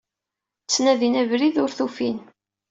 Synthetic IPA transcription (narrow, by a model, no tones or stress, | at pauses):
t͡sːnæðinævɾiðʊɾθufin